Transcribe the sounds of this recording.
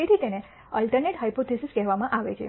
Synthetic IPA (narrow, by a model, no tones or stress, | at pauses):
eɾʰit̪ene | əlʈəɾneʈɦaipot̪isiskɛɦʋamãʔaʋḛt͡ʃʰḛ